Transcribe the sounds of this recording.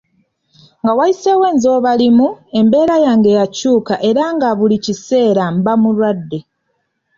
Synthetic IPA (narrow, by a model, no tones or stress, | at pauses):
ŋɡawaise̞we̞ːnzo̞ːβalimue̞mbe̞ːɾajaŋɡe̞jacuːkaʔe̞ɾaŋɡaβulicise̞ːɾambamuɾwadːe̞